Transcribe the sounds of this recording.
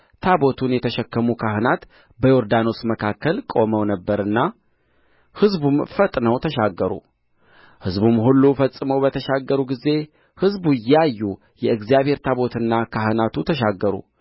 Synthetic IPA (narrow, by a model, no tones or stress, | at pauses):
t̪ʰabo̞t̪ʰunjɛt̪ʰəʃɛkːəmukʰahɨnat̪ | bəjoɾd̪ano̞sməkʰakːəlkʼo̞məwnəbːəɾɨnːa | hɨzbumfət̪ʼnəwt̪ʰəʃaɡːəɾṵ | hɨzbumhulːufəsʼːɨməwbət̪ʰəʃaɡːəɾuɡize̞ | hɨzbujajːu | jɛɨɡzjaβhe̞ɾt̪ʰaβo̞t̪ʰɨnːakʰahɨnat̪ʰut̪ʰəʃaɡːəɾṵ